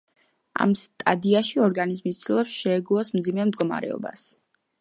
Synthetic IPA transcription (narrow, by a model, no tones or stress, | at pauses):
a̰mst̪ʼad̪iaʃiɔɾɡanizmist̪sʰʼilˠɔpsʃɛːɡuɔsmd̪zimɛmd̪ɡɔma̰ɾɛ̰ɔ̰ba̰s